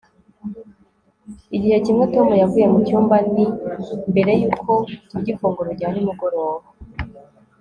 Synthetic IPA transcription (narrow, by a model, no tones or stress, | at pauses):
iɟihacimŋe̞to̞mujavuːje̞mucuːmbanimbe̞ɾe̞juːkʰo̞uɟifoːŋɡoɾoɟaːɾimuɡoɾo̞ːɾo